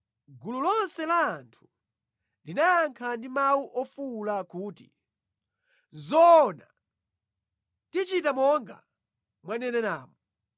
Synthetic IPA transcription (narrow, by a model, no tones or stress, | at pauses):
ɡululɔnsɛlaːntʰu̥ | linajaŋkʰandimawuʔɔfulakuːtḭ | zɔna̰ | tit͡ʃitamɔŋɡa̰ | mwanɛnɛnaːmɔ